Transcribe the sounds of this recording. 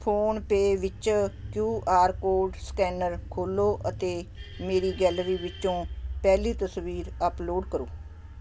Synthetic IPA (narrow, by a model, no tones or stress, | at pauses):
pʰoːnpeːʋɪt͡ʃkjuːʔaːɾkoːɾɖskɛːnəɾkʰoːloːʔət̪eːmeːɾiːɡɛːləɾiːʋɪt͡ʃõːpɛːliːt̪əsʋiːɾəploːɖkəɾoː